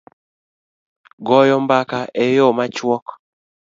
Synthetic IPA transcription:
ɡɔjɔmbakaʔejɔmat͡ʃwɔk

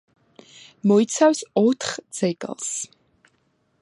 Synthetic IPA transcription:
mɔit̪sʰawsɔt̪ʰχd̪z̥ɛɡ̰ʼlˠs

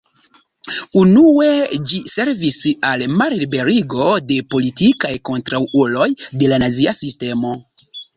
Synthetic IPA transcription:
unue̞d͡ʒise̞ɾvisalmaɾlibe̞ɾiɡo̞de̞po̞litikajko̞ntɾawʔulo̞jde̞lanaziasiste̞mo̞

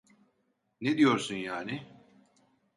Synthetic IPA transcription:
ned̪ijo̞ɾsunjaːni

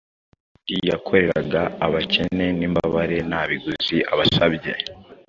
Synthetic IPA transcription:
ijakʰo̞ɾe̞ɾaɡaːβace̞ne̞niːmba̰βaɾe̞naβiɡuz̥iʔaβasabɟe̞̰

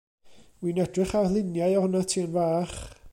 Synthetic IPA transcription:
winɛdrɪχalˠɪnjaɨɔhʊnatʰiːənvaːχ

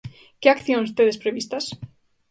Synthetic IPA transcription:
keakθjõŋst̪eðespɾeβist̪as

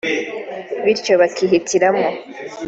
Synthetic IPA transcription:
βiɾcoβakiɦitʰiɾamŋo

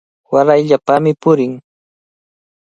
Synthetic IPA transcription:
waɾajʎapamɪpʊɾɪŋ

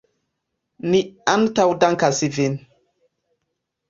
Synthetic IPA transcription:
niantawdaŋkasivin

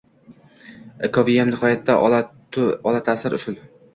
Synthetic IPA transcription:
akʰɒvijamnɪhɒjat̪ʰːa | ɒlat̪ʰasɪɾʔʊ̰sʊl

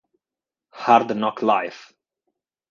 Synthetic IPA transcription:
haɾd̪nɔkʰlaɪf

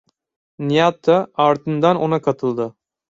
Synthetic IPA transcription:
nijat̪ʰːaɑɾt̪ɯnd̪anonakʰɑt̪ʰɯlˠd̪ɯ

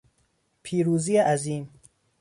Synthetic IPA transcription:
pʰiːɾuːziːjeʔæziːm

